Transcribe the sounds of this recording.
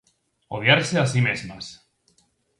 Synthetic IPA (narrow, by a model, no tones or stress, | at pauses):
oðjaɾseasimezmas